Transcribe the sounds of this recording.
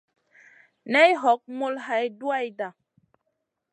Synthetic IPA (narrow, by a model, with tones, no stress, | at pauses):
nɛ˦jɦɔ˨˦k̚mo˦lɦa˨jdu˦a˦jda˨